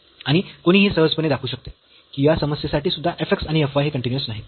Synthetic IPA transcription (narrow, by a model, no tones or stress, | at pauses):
aɽ̃ikoɽ̃iːɦiːsəɾəd͡zpəned̪akʰuːɕək̚t̪e̥ | kiːjasəməsjəsaʈiːsud̪ʱːaʔefeksaɽiefʋaɦeːkəɳʈinjusnaɦi